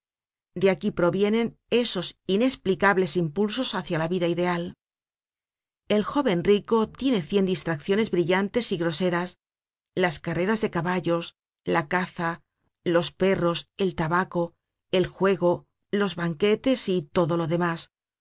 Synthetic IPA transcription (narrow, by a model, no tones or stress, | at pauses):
d̪e̞akipɾo̞βje̞ne̞ne̞so̞sine̞splikaβle̞simpulso̞saθjalaβiðaiðe̞al | e̞lxo̞βe̞nriko̞t̪je̞ne̞θje̞nd̪ist̪ɾakθjo̞ne̞zβɾiʎant̪e̞siɣɾo̞se̞ɾas | laskare̞ɾazðe̞kaβaʎo̞s | lakaθa | lo̞spe̞ro̞se̞lt̪aβako̞ | e̞lxwe̞ɣo̞ | lo̞zβaŋke̞t̪e̞sit̪o̞ðo̞lo̞ðe̞mas